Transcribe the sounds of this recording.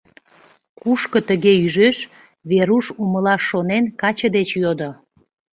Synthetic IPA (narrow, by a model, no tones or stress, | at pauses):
kuʃkə̆t̪əɣeyʒeʃ | βeɾuʃuməlɑʃːonenkɑt͡ɕəd̪et͡ɕjod̪o